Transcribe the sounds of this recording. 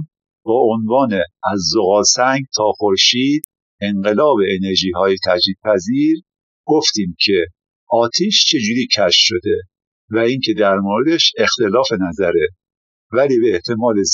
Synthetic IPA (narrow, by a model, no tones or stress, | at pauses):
b̥ɒːonvɒːneæzːoɣɒːsæŋɡt̪ʰɒːxoɾʃiːd̪̥ | eŋɢe̞lɒːbeːneɾʒiːɦɒːjet̪ʰæd͡ʒiːd̪̥̚pʰæziːɾ | ɡ̥oft̪iːmcʰe̞ | ɒːt̪ʰiːʃt͡ʃʰe̞d͡ʒuːɾiːcʰæʃʃo̞d̪e̞ | væiːŋcʰe̞d̪æɾmoːɾed̪e̞ʃe̞xt̪e̞lɒːfe̞næzæɾe | væliːbeːht̪ʰe̞mɒːle